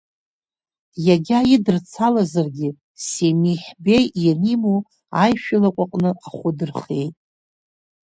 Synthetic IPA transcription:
jaɡʲajɪdɨrt͡sʰalazarɡʲɪ | semiħbe̞jjanimo | ajʃᶣalakʷʼaqʼnɨʔaχʷʊdɨrχe̞jtʼ

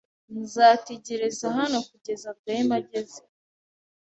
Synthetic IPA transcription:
nzaːteɟeɾezaɦano̞kuɟe̞zatajemaɟezi̥

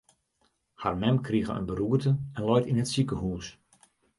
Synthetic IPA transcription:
harmɛmkʰriɣə̰ə̰nbəɾuərtəɛnlɔjtinətsikəhuːs

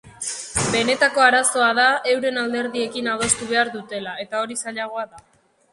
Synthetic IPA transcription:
be̞ne̞t̪ako̞aɾaso̞aðae̞wɾe̞nald̪e̞ɾðie̞kinawðe̞st̪uβ̞e̞aɾðut̪e̞lae̞t̪ao̞ɾisaʎaɣ̞o̞aða

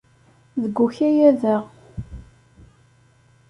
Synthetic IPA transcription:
ðəɡʷːuçæjæðəʁ

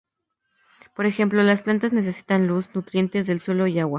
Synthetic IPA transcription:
po̞ɾe̞xe̞mplo̞lasplant̪azne̞s̬e̞si̥t̪anlusnut̪ɾje̞nt̪e̞zðelswe̞lo̞iawa

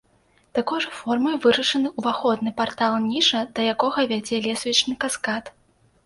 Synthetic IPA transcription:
t̪akɔʐɐfɔrmɐjvɨɾɐʂɐnɨuvaxɔd̪nɨpart̪alˠnʲiʂɐd̪ɐjakɔɣɐvʲad͡zʲɛlʲɛsvʲit͡ʂnɨkaskat̪

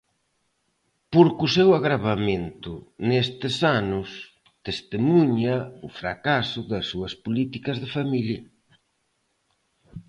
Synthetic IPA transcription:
poɾkusewaɣɾaβamẽnt̪ʊnest̪ɪsanʊs | t̪est̪emuɲaʊfɾa̰kasʊðɐsːuɐspolit̪ikɐzðɪfamiljɐ

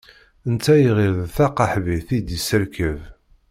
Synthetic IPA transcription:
ənt͡sːæjiʁiðθɑqɑħviθid̪isəɾkəv

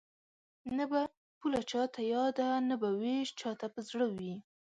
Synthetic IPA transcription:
naba | pulat͡ʃɑt̪ʰajɑd̪anabaweʃt͡ʃɑt̪apəzɽəwi

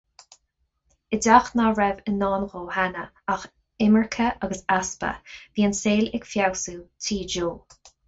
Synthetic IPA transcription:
ɪdaxnaɹɛvənːɑːnɣoːhanə | ax | ɪməɹkʰəʔaɡəsaspə̰viːənseːlɪɡfjawsuːtʰiːd͡ʒoː

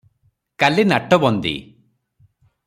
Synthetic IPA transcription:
kalinaʈɔbɔnd̪ḭ

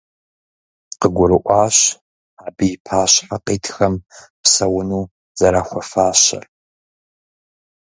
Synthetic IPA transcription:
qəɡʷʊɾɨʔʷɑːɕ | aːbɨjɪpʰaːɕħaqiːtʰxɐm | psɐwʊnuː | z̥ɐɾaːxʷɔfaːɕɐ̰r

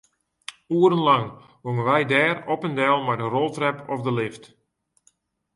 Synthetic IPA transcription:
uəɾənlɑŋ | ʋoŋənʋɛjdɛːrɔpəndɛlˠmɛjdərɔlˠtrɛpɔfdəlɪft

